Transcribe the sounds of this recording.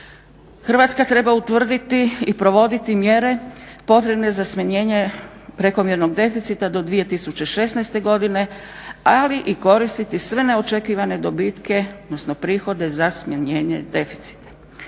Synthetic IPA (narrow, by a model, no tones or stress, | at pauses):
xr̩ʋat̪skat̪ɾe̞baut̪ʋr̩d̪it̪iːpɾo̞ʋo̞d̪it̪imje̞ɾe̞po̞t̪ɾe̞bne̞zasmaɲe̞ːɲe̞pɾe̞ko̞mjeɾno̞ɡ̚d̪e̞fit̪sit̪ad̪o̞d̪ʋije̞t̪isut͡ɕe̞ʃe̞snajst̪e̞ɡo̞d̪ine̞ | aliʔiko̞ɾist̪it̪isʋe̞ne̞o̞t͡ʃe̞kiːʋane̞d̪o̞biːt̪ke̞od̪nosnopɾiːxo̞d̪e̞zasmjaɲeːɲḛd̪e̞fi̥t̪si̥t̪ḁ